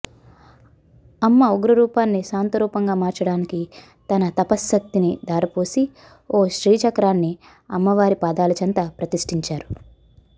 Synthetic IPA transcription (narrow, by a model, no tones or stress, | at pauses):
ɐmːɐoɡɾɐɾuːpaːnːisaːnt̪ɐɾuːpɐŋɡaːmaːɾt͡ʃɐɽaːniki | t̪ɐnɐt̪ɐpɐsːɐkt̪ːinid̪aːɾɐpoːsi | oːʃɾiːt͡ʃɐkɾaːnːi | ɐmːɐʋaːɾipaːd̪aːlɐt͡ʃɐnt̪ɐpɾɐt̪iʂʈiɲt͡ʃaːɾu